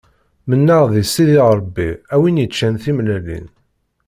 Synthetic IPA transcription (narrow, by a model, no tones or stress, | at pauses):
mənːəʁðisːiðiˤɾˤəbːiæwinjət͡ʃːænθimlælḭn